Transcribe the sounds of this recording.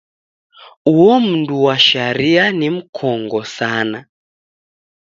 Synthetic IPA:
uwɔm̩nduwaʃaɾianim̩kʰɔŋɡɔsana

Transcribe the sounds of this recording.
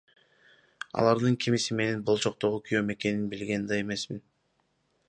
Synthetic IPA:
ɑ̰lˠɑɾd̪ɯŋkʲʰimisime̞nenbo̞lˠt͡ʃo̞q̚t̪o̞ʁukʲʰyjo̞me̞ke̞ninbilɡend̪ɑje̞me̞smin

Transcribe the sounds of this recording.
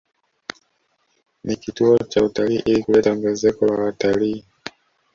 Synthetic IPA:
nikituɔt͡ʃautaliːʔilikulɛtam̩ɡɛzɛkɔwawataliː

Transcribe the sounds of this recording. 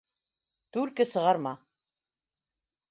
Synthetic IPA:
t̪ʉɾkɘsɤ̆ʁɑɾmɑ

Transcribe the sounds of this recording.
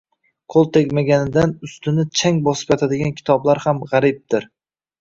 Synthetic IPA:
qʰolˠt̪ʰekʲmaɡʲanɪd̪anʊst̪ɪnɪt͡ʃʰaŋbɒsɪ̥pjɒt̪ʰad̪ɪɡʲankʲʰɪ̥t̪ʰɒblaɾhamʁaɾɪb̚d̪̥ɪɾ

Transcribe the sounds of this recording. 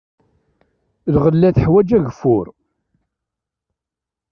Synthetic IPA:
ðʁəlːæθəħwæd͡ʒæʝəfːʊɾ

